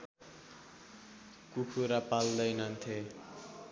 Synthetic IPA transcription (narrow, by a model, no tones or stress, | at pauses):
kukʰuɾapald̪ʌjnʌnt̪ʰe